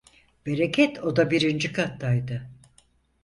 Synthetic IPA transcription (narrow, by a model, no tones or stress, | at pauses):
b̥e̞ɾekʰɛt̪ʰo̞d̪abiɾind͡ʒikʰat̪ːajd̪ɯ